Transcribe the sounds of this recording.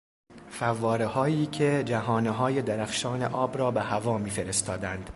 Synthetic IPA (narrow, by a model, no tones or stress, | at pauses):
fævːɒːɾehɒːiːcʰe̞d͡ʒæɦɒːneɦɒːje̞d̪æɾæxʃɒːnḛʔɒːbɾɒːbehævɒːmiːfeɾe̞st̪ɒːd̪ænd̪̥